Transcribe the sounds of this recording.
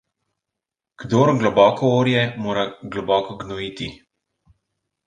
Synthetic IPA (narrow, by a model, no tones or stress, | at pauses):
ɡ̥d̪oːɾɡlɔbɔːkɔoːɾjɛmoːɾaɡlɔbɔkɔɡnɔiːt̪i